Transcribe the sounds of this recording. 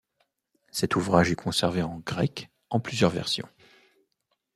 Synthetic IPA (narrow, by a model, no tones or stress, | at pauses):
sɛt̪uvʁaʒɛkʰɔ̃sɛʁveɑ̃ɡʁɛk | ɑ̃plyzjœʁvɛ̰ʁsjɔ̰̃